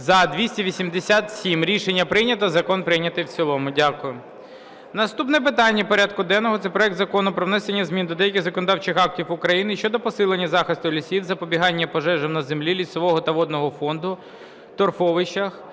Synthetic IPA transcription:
zɐd̪ʋʲisʲtʲiʋʲisʲimd̪esʲat̪sʲimɾʲiʃenʲːɐpɾɪnʲɐt̪ɐzɐkɔnpɾɪjnʲɐt̪ɪjwt͡sʲilˠɔmʊdʲakʊjʊ | nɐst̪upnɛp̬ɪt̪ɑnʲːɐpɔɾʲad̪̚kʊd̪ɛnːɔɦɔt̪sɛpɾɔɛkt̪zɐkɔnʊpɾɔwnɛsenʲːɐzmʲind̪ɔd̪ɛjɐkʲɪɣzɐkɔnd̪ɑwt͡ʃɪxɑk̚tʲiwʊkɾɐjinɪʃt͡ʃɔd̪ɔpɔsɪlˠenʲːɐzɑxɪst̪ʊlʲisʲiwzɐpɔbʲiɦɑnʲːɐpɔʒɛʒɛmnɐzemlʲilʲisɔʋɔɦɔt̪ɐʋɔd̪nɔɦɔfɔnd̪ʊ | t̪ɔrfɔʋɪʃt͡ʃɐx

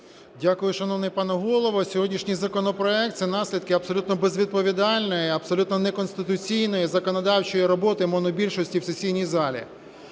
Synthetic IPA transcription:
dʲakʊjʊʃɐnɔwnɪjpɑnɛɦɔlˠɔʋɔsʲɔɦɔdʲnʲiʃnʲijzɐkɔnɔpɾɔɛk̚t̪sɛnɑsʲlʲid̪̚kɪɐpsɔlʲut̪nɔbezʲʋʲid̪̚pɔʋʲid̪ɑlʲnɔjɛɐbsɔlʲut̪nɔnɛkɔnsʲt̪ɪt̪ʊt͡sʲijnɔjizɐkɔnɔd̪ɑwt͡ʃɔjiɾɔbɔt̪ɪmɔnɔbʲilʲʃɔsʲtʲiwsesʲijnʲijzɑlʲḭ

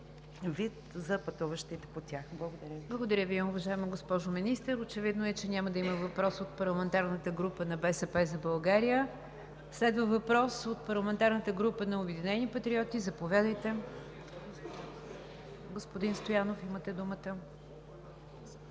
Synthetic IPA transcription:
vit̪zɐpɐt̪uvəʃt̪it̪ɛpot̪ʲjaxblˠɐɡod̪ɐɾʲəblˠɐɡod̪ɐɾʲjəviʊvɐʒaɛmɐɡospɔʒominist̪əɾot͡ʃɛvid̪noɛt͡ʃɛnʲaməd̪ɐimɐvɐpɾɔsot̪̚pɐɾlˠɐmɛnt̪aɾnət̪əɡɾupənɐbɛsɛpɛzɐbɐlˠɡaɾijə | slɛd̪vəvɐpɾɔsot̪̚pɐɾlˠɐmɛnt̪aɾnət̪əɡɾupənɐobɛd̪inɛnipɐt̪ɾiɔt̪izɐpovʲjad̪əjt̪ɛ | ɡospʊd̪inst̪ojanofimət̪ɛd̪umət̪ə

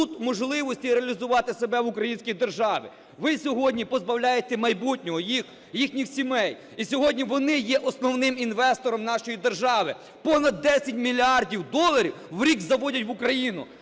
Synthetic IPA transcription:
t̪ut̪mɔʒlˠɪʋɔsʲtʲiɾeɐlʲizʊʋɑt̪ɪsebɛʋʊkɾɐjinʲsʲkʲijd̪erʒɑʋʲɪ̰ | ʋɪsʲɔɦɔdʲnʲipɔzbɐwlʲajet̪ɛmɐjbutʲnʲɔɦɔjix | jixnʲixsʲimɛj | isʲɔɦɔdʲnʲiʋɔnɪjɛʔɔsnɔwnɪminʋɛst̪ɔɾɔmnɑʃɔjid̪erʒɑʋɪ | pɔnɐd̪ːɛsʲɐt̚ʲmʲilʲiɑrdʲiwd̪ɔlˠɐɾʲiwʋɾʲiɡzɐʋɔdʲɐtʲʋʊkɾɐjinʊ̰

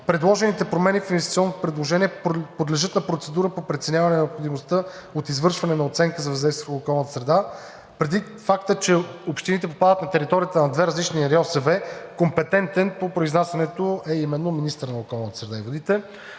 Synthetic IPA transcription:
pɾɛd̪lˠɔʒɛnit̪ɛpɾomɛnifinvɛst̪i̥t̪iɔnːot̪o̥pɾɛd̪lˠoʒɛniɛpod̪lɛʒɤt̪nɐpɾot̪sɛd̪uɾəpopɾɛt̪sɛnjavɐnɛnɛopxod̪imost̪əot̪izvɤɾʃvɐnɛnɐot̪sɛŋkəzɐvɐzd̪ɛjst̪vookɔlˠnət̪ə̥sɾɛd̪a | pɾɛd̪i | fakt̪ət͡ʃɛopʃt̪init̪ɛpopad̪ət̪nɐt̪ɛɾit̪ɔɾijət̪ənɐd̪vɛɾɐzlit͡ʃniɾɛɔsɛvɛkompɛt̪ɛnt̪ɛnpopɾoiznasjɐnɛt̪oɛimɛnːominist̪əɾnɐokɔlˠnət̪ə̥sɾɛd̪aivod̪it̪ɛ

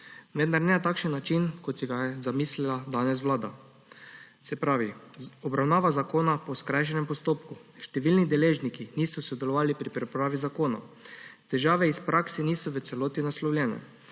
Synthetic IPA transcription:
ʋɛnd̪aɾnɛat̪aːkʃənːat͡ʃinkɔt̪sɛɡazamiːslilad̪aːnɛs̬ʋlaːd̪a | sɛpɾaːʋiɔbɾawnaːʋazakoːnapɔskɾajʃ̬ɛnɛmpɔst̪oːpkuʃt̪ɛʋiːlnid̪ɛleːʒnikiniːsɔsɔd̪ɛlɔʋaːlipɾipɾɛpɾaːʋizakoːna̰t̪ɛʒaːʋɛispɾʔaksɛniːsɔʋət̪sɛloːt̪inaslɔwlʲjʲɛnɛ̰

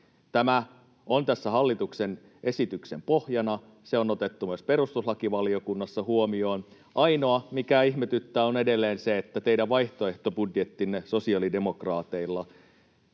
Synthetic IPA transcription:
t̪æmæ | ont̪æsːæhɑlːit̪uksen | ʔe̞sit̪ykse̞mpo̞hjɑnɑ | seo̞not̪et̪ːumyøspe̞ɾust̪ushɑkiʋɑliokunːɑsːɑhuomio̞ːn | ʔɑino̞ɑmikæiçmet̪yt̪ːæːone̞delːeːnseet̪ːæt̪ejdæʋʋɑjht̪oe̞ht̪obudjet̪ːinːeso̞siɑlide̞mo̞krɑːt̪eilːɑ

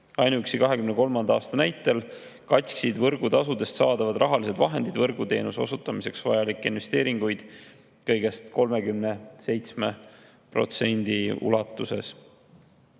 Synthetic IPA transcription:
ɑjnuyksikɑɦe̞kymneko̞lmɑnd̪̥ɑːst̪ɑnæjt̪ːˑe̞l | kɑt̪ʲksid̪vɤrɡut̪ɑsud̪e̞st̪sɑːd̪̥ɑvɑd̪̥rʔɑɦɑlise̞d̪vɑɦe̞nd̪̥id̪vɤrɡut̪e̞ːnuso̞̰sut̪ːˑɑmise̞ksvɑjɑlikːinve̞st̪e̞ːɾiŋɡ̥ujd̪̥ | kɤjɡ̥e̞st̪ko̞lme̞kymne̞se̞jt̪sme̞ | pro̞̰t̪se̞nʲd̪̥iṵlɑt̪ːˑuse̞̰s

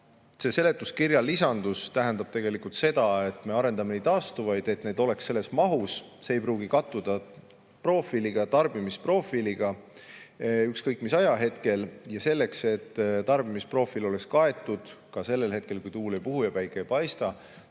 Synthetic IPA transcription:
se̞se̞le̞t̪ˑːuskiɾjɑlːisɑnd̪̥ust̪æɦænd̪ɑb̥̚t̪e̞ɡe̞likult̪se̞d̪̥ɑe̞t̪ˑme̞ɑɾe̞nd̪ɑmened̪ɑːst̪uvɑjd̪̥e̞t̪ne̞ːd̪̥o̞le̞ksːe̞lːe̞smɑɦusseːjpɾuːɡikɑt̪ːˑud̪̥ɑ | pro̞ːfiliɡ̥ɑt̪ɑrb̥imispro̞filiɡ̥ɑ | ykskɤjkːˑmisɑjɑɦe̞t̪ke̞ljɑse̞lːe̞kse̞t̪ːt̪ɑrb̥imispro̞filo̞le̞kskɑe̞t̪ˑːud̪̥kɑse̞lːe̞lɦe̞t̪̚ke̞lkujt̪uːlejpuhujɑpæjkːˑejpɑjst̪ɑ

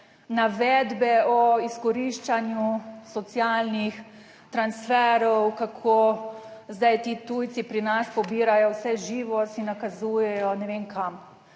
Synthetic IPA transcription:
naʋɛd̪bɛɔiskɔɾiʃt͡ʃanjusɔt̪sjalnix | t̪ɾansfɛɾɔwkakʰo | zd̪ajt̪iːt̪ujsipɾinaspɔbiːɾajɔwsɛʒiːʋɔsinːakazuːjɛjɔnɛʋenkʰam

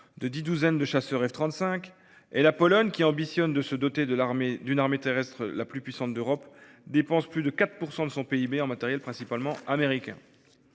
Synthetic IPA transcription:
d̪əd̪id̪uzɛnd̪əʃasœʁɛft̪χɑ̃t̪sɛ̃k | ɛlapɔlɔɲkʲiɑ̃bisjɔnd̪əsəd̪ɔt̪ed̪əmed̪ynaʁmet̪eʁɛst̪χəlaplypɥisɑ̃t̪̚d̪øʁɔp | d̪epɑ̃splyd̪əkat̪χpuʁsɑ̃d̪əsɔ̃peibeɑ̃mat̪ɛʁjɛlpχɛ̃sipalmɑ̃ameʁikʲɛ̰̃

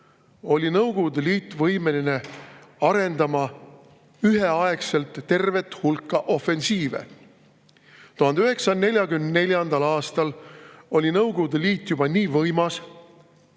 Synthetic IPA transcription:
o̞lʲinɤwɡ̥od̪eliːt̪ːˑvɤjmelineɑɾe̞nd̪ɑmɑ | yɦe̞ɑekse̞lt̪ːe̞rve̞t̪ːˑhulkːɑʔo̞fe̞nsiːvḛ | t̪uɦɑnd̪eyɦe̞ksɑne̞lʲjɑɡymnne̞lʲjɑnd̪̥ɑlɑːst̪ɑlo̞lʲinɤwɡod̪eliːt̪ːˑjub̥ɑniːvɤjmɑs

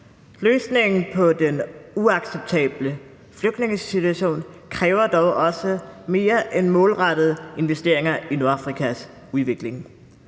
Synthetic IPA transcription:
løːsne̝ŋn̩pʰɒ̽d̥enuɑ̈ɡ̥seb̥̚t͡sʰɛ̰ːb̥lə | fløɡ̥d̥ne̝ŋəsit͡sʰuæɕo̝̰ːn | kʰʁɛːʊɐd̥ɒʊʔɒ̽səme̝ːɐʔenmɔ̽ːlʁɑd̥ð̞̩ˠəe̝nʋesd̥e̝ɐ̰e̝ŋɐinu̝ɐɑ̈fʁikʰæs | uðˠʋe̝ɡ̥le̝ŋ

